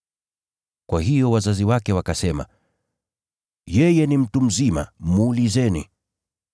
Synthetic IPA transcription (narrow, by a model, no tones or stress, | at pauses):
kwaɦijɔwazaziwakɛwakasɛma̰ | jɛjɛnim̩tum̩zima̰muːlizɛnḭ